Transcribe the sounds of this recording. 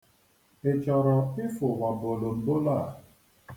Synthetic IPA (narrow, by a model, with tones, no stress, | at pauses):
e˨t͡ʃɔ˨ɾɔ˨ɪ˦fʊ˨ŋʷa˨bo˨lo˨m̩˨bo˦la˦˨